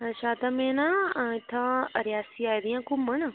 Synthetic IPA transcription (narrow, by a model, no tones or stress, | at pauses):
ʃaːt̪amẽnãɪt̪ʰːãəɾjaːsiaːjd̪ijãkʊmənə